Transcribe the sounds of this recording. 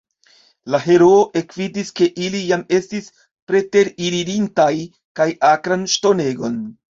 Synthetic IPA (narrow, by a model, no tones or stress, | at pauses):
laɦe̞ɾo̞oʔe̞kvidiske̞ʔilijame̞stis | pɾe̞te̞ɾiɾiɾintaj | kajakɾanʃto̞ne̞ɡo̞n